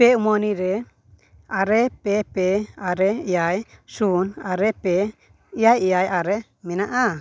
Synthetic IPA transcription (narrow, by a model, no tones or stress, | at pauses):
pɛumɔniɾɛ | aɾɛpɛpɛaɾɛijajsunaɾɛpɛ | ijajijajaɾɛ | mɛnaʔa